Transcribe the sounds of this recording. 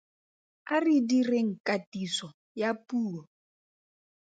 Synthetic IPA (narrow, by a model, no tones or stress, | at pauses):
aridireŋ̩kʼatʼisɔ | japʼuːɔ